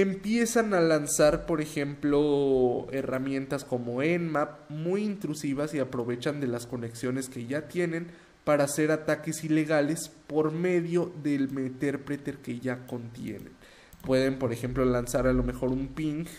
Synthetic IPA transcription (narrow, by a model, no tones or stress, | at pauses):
empje̞sanalansaɾpo̞ɾe̞xe̞mplo̞e̞ramjẽ̞nt̪asko̞mo̞enmap̚mujint̪ɾusiβasiapɾo̞βe̞t͡ʃand̪e̞lasko̞neksjo̞ne̞ske̞ʝat̪je̞ne̞n | paɾaːse̞ɾat̪ake̞sile̞ɣale̞spo̞ɾme̞ðjo̞ðelmet̪eɾpɾet̪e̞ɾke̞ʝako̞nt̪je̞̰ne̞̰n | pwe̞ðe̞mpo̞ɾe̞xe̞mplo̞lansaɾalo̞me̞xo̞ɾumpiŋk